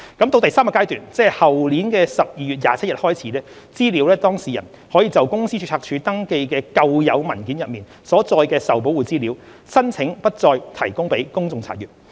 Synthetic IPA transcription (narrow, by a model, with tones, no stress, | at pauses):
kɐ˨˥mt̪o˧wt̪jsaː˥mkɐː˧kaː˥jt̪yː˨nt͡sɛː˥˨˩hɐ˨˩wliː˨˥nkɛː˧sɐ˨p̚jiː˨˧ɥyː˨t̚jaː˨˧t͡sʰɐ˥jɐ˨t̚hɔː˥jt͡sʰiː˨˥lɛː˥ | t͡siː˥liː˨˥wlɛː˥t̪ɔː˥ŋsiː˨˩jɐ̰˨˩n | hɔː˨˥jiː˨˧t͡sɐ˨˩wkʊ˥ŋsiː˥t͡ʃʰy˧˥t͡sʰaː˧k̚t͡ʃʰyː˨˥t̪ɐ˥ŋke˧jkɛː˧kɐ˧wjɐ˨˧wmɐ˨˩nkiː˨˥njɐ˨t̚miː˨˩n | sɔː˨˥t͡sɔː˧jkɛː˧sɐ˨wp̬o˨˥wuː˨˩t͡siː˥liː˨˥w | sɐ˥nt͡sʰɪ˨˧˥ŋpɐ˥t̚t͡sɔː˧jt̪ʰɐ˨˩jkʊ˥ŋpe˨˥jkʊ˥ŋt͡sʊ˨ŋt͡sʰaː˨˩jyː˨˩t̚